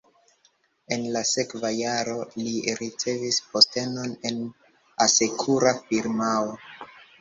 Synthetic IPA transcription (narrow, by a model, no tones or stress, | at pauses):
e̞nlase̞kvajaɾo̞liɾit͡se̞vispo̞ste̞no̞ne̞n | ase̞kʰuɾafiɾmawo